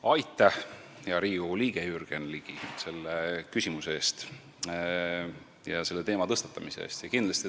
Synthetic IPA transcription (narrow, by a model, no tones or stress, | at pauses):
ɑjt̪ˑːɑ | jɑɾiːuliːɡ̥ejyrɡ̥enliɡ̥ise̞lːekysʲimuseeːst̪ | jɑse̞lːe̞t̪e̞ːmɑt̪ɤst̪ɑt̪ˑːɑmise̞̰ḛːst̪jɑkind̪̥lɑst̪i